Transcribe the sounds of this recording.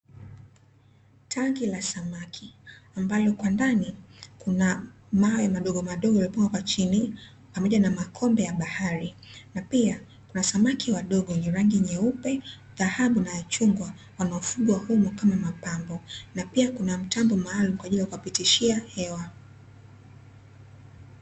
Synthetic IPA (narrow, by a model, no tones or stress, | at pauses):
tʰaŋɡilasamakʰiambalɔkwandanikuna | maɔjamaɗɔɠɔmaɗɔɡɔjalipuŋɡwakwat͡ʃini | pamɔʄanamakʰɔmbɛjaɓahaɾinapia | kunasamakiwaɗɔɠɔniɾaŋɡiɲɛupɛ | ðahaɓunajat͡ʃuŋɡwa | wanaɔfuɡuwahumɔkamamapambɔnapiakunam̩tambɔmaːlumkwaʄiliakuwapitiʃiahɛwa